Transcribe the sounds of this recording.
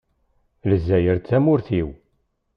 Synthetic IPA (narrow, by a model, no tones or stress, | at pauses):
ləzːæjəɾθæmʊɾθiw